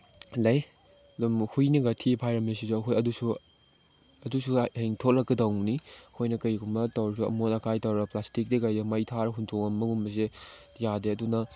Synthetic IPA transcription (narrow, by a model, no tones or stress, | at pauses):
lɐj | dumhujniɡatʰipʰajɾɐmes̬isuɐkʰojɐdusu | ɐdusuheŋtʰot̚lɐkːɐdɐwniɐkʰojnɐkɐjɡumɐtɐwɾɐs̬uɐ̰monɐkʰajtɐwɾɐplastik̚dikajdɐmɐjtʰaɾɐɦuntʰoŋɐmːɐɡumɐs̬e | jadeɐdunɐ